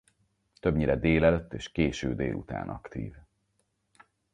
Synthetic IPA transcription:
t̪ø̞bɲiɾɛd̪eːlɛløt̪ːeːʃkeːʃøːd̪eːlʔut̪a̰ːnʔɒ̰kt̪ḭːv

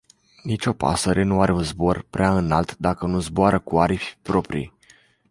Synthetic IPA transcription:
nit͡ʃo̞pa̰səɾʔe̞nuaɾeunzbo̞rpɾʔeaɨnalt̪d̪akənuzboaɾəkuaɾifʲpɾo̞pɾḭ

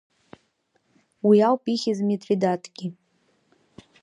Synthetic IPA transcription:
wiawpʼiχʲizmetʼvidatʰʼɡ̥ʲi

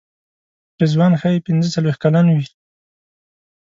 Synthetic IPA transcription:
pezwɑnxajpɪnzət͡salwex̚kalanwi

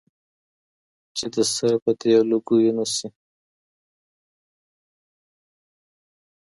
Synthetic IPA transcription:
t͡ʃed̪əsaɾpət̪ealuɡujinasi

